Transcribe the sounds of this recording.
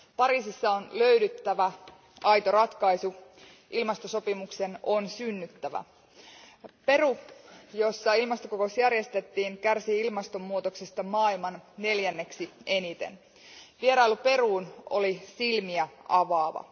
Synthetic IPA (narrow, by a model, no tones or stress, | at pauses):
pɑɾiːsisːɑonlø̞ydyt̪ːæʋæ | ʔɑjt̪o̞rɑt̪kɑisu | ʔilmɑst̪o̞so̞pimukse̞no̞nsynːyt̪ːæʋæ̰ | pe̞rujo̞sːɑilmɑst̪okokosjærje̞st̪e̞t̪ːiːŋkærsiilmɑst̪o̞mːuot̪oksest̪ɑmɑːilmɑnne̞ljænːe̞ksie̞nit̪ḛn | ʋieɾɑilupe̞ruːno̞̰lisilmiæɑʋɑːʋɑ̰